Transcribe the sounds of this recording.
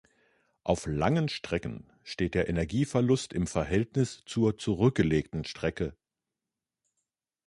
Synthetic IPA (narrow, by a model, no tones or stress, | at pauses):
ʔaʊflaŋənʃtʁ̥ɛkən̩ | ʃteːt̚d̥eːɐʔenɛɐɡiːfɛɐlʊstɪmfɛɐɦɛltnɪst͡suːɐt͡suʁʏk̚ɡ̥əleːktn̩ʃtʁ̥ɛkə